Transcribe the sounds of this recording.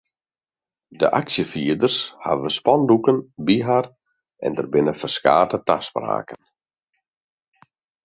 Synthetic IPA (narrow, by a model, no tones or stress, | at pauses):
də̰ʔaksjəfiədərsha̰ʋəspɔndukənbiɦar | ʔɛ̰ndərbɪnəfərska̰ːtətaspra̰ːkən